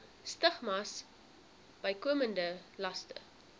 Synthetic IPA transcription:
stəχmɐs | b̥əjkuəməndəlɐstə̰

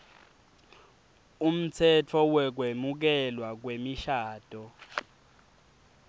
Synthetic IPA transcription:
um̩tʰɛtʰɔwɛk̬wemuk̬ɛlwak̬wemiʃaːd̥ʱʼɔ

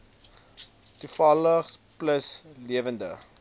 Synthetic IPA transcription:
tufɐləχspləsliəvəndə̰

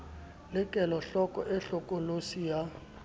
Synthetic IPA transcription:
lɪkʼɛlɔɬɔkʼɔʔɛɬɔkʼolosija

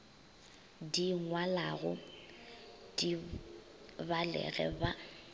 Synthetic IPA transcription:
diŋwalaɣʊ | d̥i | balɛ̰ɣɛ̰ba

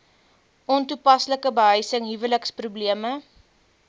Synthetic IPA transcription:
ʔɔntupɐsləkəbəɦœjsəŋɦivələksprubliəmə

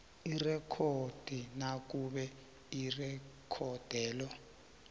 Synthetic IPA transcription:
irɛkʰod̥ʱinak̬uɓɛ | irɛkʰɔd̥ʱɛːlɔ

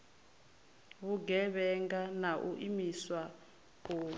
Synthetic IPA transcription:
βuɡɛβɛŋɡanaʔuʔimiswa | koː

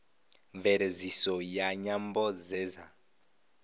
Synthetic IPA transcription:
ɱvɛɾezisɔjaɲambɔd͡zɛːza

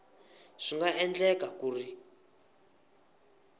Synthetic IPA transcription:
ʂiŋɡaɛnd͡ɮɛkakuːri

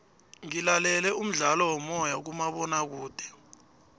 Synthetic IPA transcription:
ŋilalɛlɛum̩ɮalɔwɔmɔjak̬umaɓɔnak̬uːd̥ʱɛ̥

